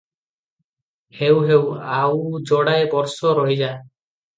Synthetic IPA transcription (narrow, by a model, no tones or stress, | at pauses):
hewɦewawd͡ʒɔɽajbɔɾsɔɾɔɦid͡ʒa